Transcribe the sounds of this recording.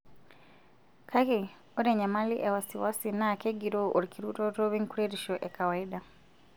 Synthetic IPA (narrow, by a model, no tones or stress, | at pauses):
kʰakɛ | ɔɾɛɲamaliʔɛwasiwasinaːkɛɡiɾɔʔɔɾikiɾutɔtɔβiŋkuɾɛɾiʃɔʔɛkawaiɗa